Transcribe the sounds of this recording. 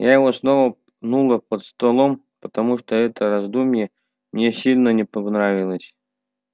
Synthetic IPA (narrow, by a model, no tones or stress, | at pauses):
jajɪvosnovə | nulˠəpət̪st̪ɐlˠom | pə̥t̪ɐmuʂt̪oɛt̪əɾɐzd̪umʲje | mnʲesʲilʲnənʲɪpɐɡnɾavʲɪlˠəsʲ